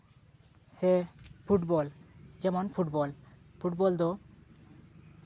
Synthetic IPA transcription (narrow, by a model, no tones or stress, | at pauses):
sepʰuʈbɔld͡ʒɛmonpʰuʈbɔlpʰuʈ̚bɔld̪o